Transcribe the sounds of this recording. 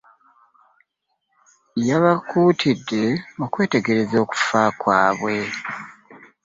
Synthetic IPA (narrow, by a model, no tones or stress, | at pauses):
jaβakuːtʰidːe̞okwe̞ːte̞ɡe̞ɾe̞zo̞ːku̥faːkwaːβwe̞